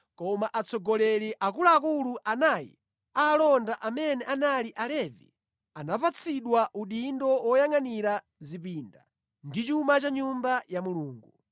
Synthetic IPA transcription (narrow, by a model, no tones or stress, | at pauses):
kɔmaʔat͡sʰɔɡɔlɛliʔak̬ulaːkuluʔanaːjḭ | aːlɔndaʔamɛnɛʔanaliʔalɛvḭ | anapat͡sʰiɗwaʔuɗindɔwɔjaŋaniɾa | zipinda | ndit͡ʃumat͡ʃaɲumbajamuluːŋɡu